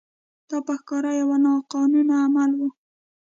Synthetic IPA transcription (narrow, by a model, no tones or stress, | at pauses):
d̪̥ɑpəxkɑɾajawanɑqɑnunaːmalwu